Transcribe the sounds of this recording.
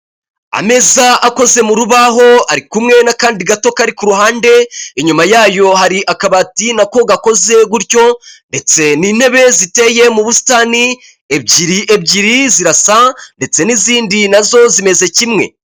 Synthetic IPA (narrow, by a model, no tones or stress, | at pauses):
a̰me̞zaʔako̞ze̞muɾuβaɦo̞aɾikumŋe̞nakaːndiɡato̞kaɾikuɾuɦaːnde̞iɲumajaːjo̞ɦaɾiʔakaβatinako̞ɡako̞ze̞ɡuɾjo̞nde̞t͡se̞niːne̞βe̞zite̞je̞muβusi̥taːni | ebɟiɾiʔeb̚ɟiɾiziɾasande̞t͡se̞niziːndinazo̞zime̞ze̞cimŋe̞̰